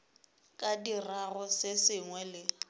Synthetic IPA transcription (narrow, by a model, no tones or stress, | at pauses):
kʼadirarɔsɪsɪŋwɛlɪ